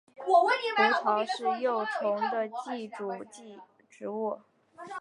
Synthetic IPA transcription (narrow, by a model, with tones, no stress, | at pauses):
u˧˥t͡sʰɑ˧˥ʊʂɻ̩˥˧jo˥˩ʊʈ͡ʂʰʊ˧˥ŋd̪ə˧t͡ɕi˥˩ʈ͡ʂu˨˩t͡ɕi˥˩ | ʈ͡ʂɻ̩˧˥u˥˩